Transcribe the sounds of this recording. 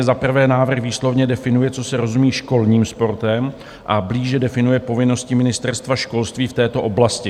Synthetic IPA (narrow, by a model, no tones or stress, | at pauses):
ɛzapr̩vɛːnaːvr̩xviːslo̞vɲɛdɛfɪnujɛt͡so̞sɛɾo̞zumiːʃko̞lɲiːmspo̞ɾt̪ɛm | ʔabliːʒɛdɛfɪnujɛpo̞vɪno̞scɪmɪnɪst̪ɛɾst̪vaʃko̞lst̪viːft̪ɛːt̪o̞ʔo̞blascɪ